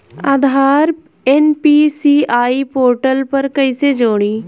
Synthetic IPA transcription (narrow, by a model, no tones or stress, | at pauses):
aːd̪ʱaːɾ | ɛnpiːsiːaːiːpoːɾʈəlpəɾkəiseːd͡ʒoːɽ̃iː